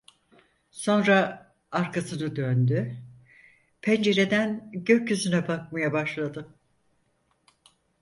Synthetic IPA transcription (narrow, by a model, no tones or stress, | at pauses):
so̞nɾa | aɾkʰasɯnɯd̪ønd̪y | pʰænd͡ʒe̞ɾe̞d̪ænɟøɾcːyzynɛbak̚majabaʃlˠad̪ɯ